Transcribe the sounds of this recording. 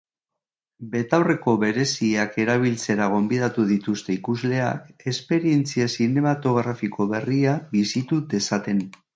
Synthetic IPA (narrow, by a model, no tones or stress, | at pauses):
be̞t̪awre̞ko̞βe̞ɾe̞siake̞ɾaβ̞ilt͡se̞ɾaɣ̞o̞mbið̞at̪uð̞it̪ust̪e̞ikuzle̞a̰ke̞spe̞ɾie̞nt͡siasine̞mat̪o̞ɣ̞ɾafiko̞βe̞riabisit̪ut̪e̞sat̪e̞n